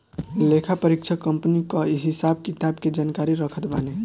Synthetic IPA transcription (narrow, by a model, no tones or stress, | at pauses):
lekʰapəɾikt͡ʃʰəkːəmpnikaɪsɦɪsab̚kɪt̪aːbked͡ʒaːnkaːɾiɾəkʰət̪baːne